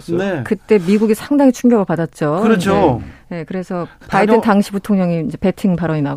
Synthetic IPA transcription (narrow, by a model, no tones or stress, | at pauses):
nekɯt͈e̞miɡuɡisʰaŋdaŋit͡ɕʰuŋɡʌbɯɭpadat̚t͡ɕ͈okɯɾʌt͡ɕʰone̞kɯɾe̞sʰʌpaiɯntaŋɕʰiputʰoŋɲʌŋiind͡ʑe̞pe̞tʰiŋpaɾʌɲinaɡ